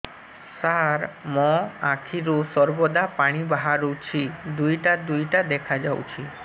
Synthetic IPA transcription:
saɾmɔ̃akʰiɾusɔɾbɔd̪apaɽ̃ibaɦaɾut͡ʃʰid̪ujʈad̪ujʈad̪ɛkʰad͡ʒawt͡ʃʰi

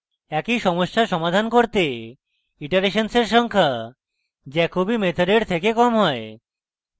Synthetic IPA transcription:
ɛkiʃɔmoʃːaʃɔmad̪ʱankoɾt̪e | iʈaɾeʃanseɾʃɔŋkʰa | d͡ʑɛkobimet̪ʰoɾeɾt̪ʰekekɔmɦɔe

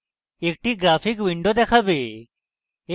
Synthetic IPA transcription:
ek̚ʈiɡɾapʰikʋiɳɖod̪ɛkʰabe

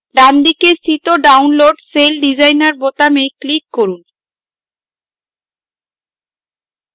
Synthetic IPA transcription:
ɖand̪ikest̪ʰit̪oɖawnloɖselɖid͡ʑajnaɾbot̪amejklikːoɾun

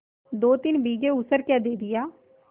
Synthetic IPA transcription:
d̪oːt̪ɪnbiːɡeːʊsəɾkɛːd̪eːd̪ɪjaː

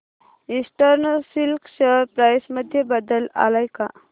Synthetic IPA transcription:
isʈəɾnlsilksəpɾajsməd̪ʱːjebəd̪əla̰lajka

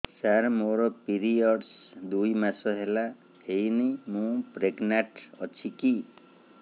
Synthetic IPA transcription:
saɾmoɾɔpiɾiɔɖs | d̪ujmasɔɦela | hejnijmũpɾeɡnaʈɔt͡ʃʰiki

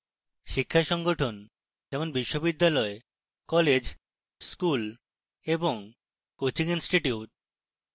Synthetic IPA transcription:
ʃikʰːaʃɔŋɡoʈʰon | d͡ʑɛmonbiʃːobid̪ːalɔe | kɔled͡ʑ | skul | eboŋ | kot͡ɕiŋinsʈiʈiuʈ̚

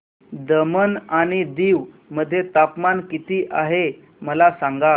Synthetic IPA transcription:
d̪əmənaɽ̃id̪iːʋ | məd̪ʱːjet̪apmankit̪iːʔaɦe | məlasãŋɡa

